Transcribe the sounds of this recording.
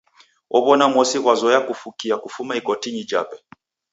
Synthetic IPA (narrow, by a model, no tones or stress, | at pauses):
ɔβɔnamwɔsiɣwazɔjakufukiakufumaikɔtiɲid͡ʒa̰pɛ